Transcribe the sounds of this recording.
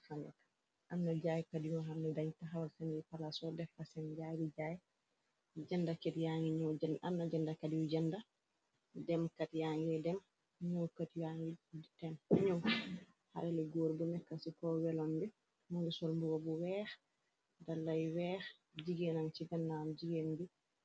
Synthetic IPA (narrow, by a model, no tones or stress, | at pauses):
faɲɛ̰tḁ | ʔanːad͡ʒajkadijɔɦamnɛdaɲtaɦawalsanɛpalasɔdɛfasɛnd͡ʒajdid͡ʒajɛ | d͡ʒɛndakɛtjaŋɡiɲɔd͡ʒɛnannad͡ʒɛndakadijud͡ʒɛnda | dɛmkatjaŋɡɛdɛm | ɲowkatijaŋɡiitɛnɲow | ha̰ɗɛlɛɡoɾbunɛkːasikɔwɛlɔnbɛ | muŋɡɛsɔlmbuɡɔbuwɛɾ | dalːajwɛɾ | d͡ʒiɡɛnaŋt͡ʃidanːamd͡ʒiɡenbi